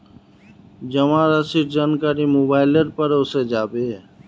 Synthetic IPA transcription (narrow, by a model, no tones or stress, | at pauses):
d͡ʒəmãɾəsiɾd͡ʒaːnkaːɾimoːbaːɪləɾpəɾʊsed͡ʒaːbeː